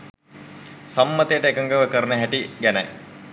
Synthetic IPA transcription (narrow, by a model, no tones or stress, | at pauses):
sɐmːət̪ejːʈəeːkəŋɡəʋəkəɾnəɦæʈiɡænɐ̰j